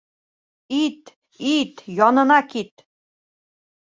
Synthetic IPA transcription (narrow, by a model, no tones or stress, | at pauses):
it̪ | it̪jɑnɤ̆nɑkit̪̚